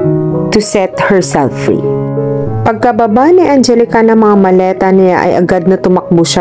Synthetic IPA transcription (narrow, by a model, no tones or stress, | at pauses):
t̪ʊsɛt̪hɛɹsɛlfːɹḭ | pɐɡ̚kɐbɐbaniʔɐnd͡ʒɛlɪkɐnɐŋmɐŋamɐlɛːt̪ɐnɪla̰ʔɐ̰jʔɐ̰ɡad̪̚nɐt̪ʊmɐk̚bʊʃa